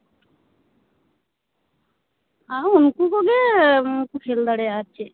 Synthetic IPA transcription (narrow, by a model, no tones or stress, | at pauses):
aunkukoɡekukʰeld̪aɽeat͡ʃʰe